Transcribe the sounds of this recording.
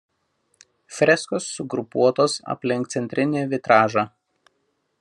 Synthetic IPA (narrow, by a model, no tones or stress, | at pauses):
fʲɾʲɛskoːsːʊɡɾʊpuɔt̪oːsɐ̰pʲlʲɪŋkt̪sʲɛnʲt̪ʲɾʲɪnʲeːʋʲɪt̪ɾɑːʒɑː